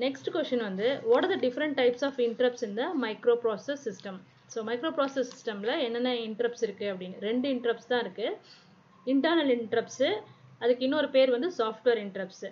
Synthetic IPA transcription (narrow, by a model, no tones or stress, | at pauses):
nɛksʈɯkʋɛsʈɐnʋɐnd̪ɯʋɔːɽɐːd̪ɐɖɪfɐɾɐɳʈ̚ʈːɐɪpsaːfɪɳʈɐɾɐpsɪnd̪ɐmɐɪkɾoːpɾoːssɐsːɪsʈɐm | soːmɐɪkɾoːpɾoːsɐsːɪsʈɐmlɐɛnːɐnːɐɪɳʈɐɾɐpsɪɾɯkːɯɐpːɐɽɪnːɯɾɛɳɖɯɪɳʈɾɐpst̪ãːɪɾɯkːɯ | ɪɳʈɐɾnɐlɪɳʈɾɐpsɐðɯkːɪnːɔːɾɯpeːɾʋɐnd̪ɯsaːfʈʋeːɾɪɳʈɾɐps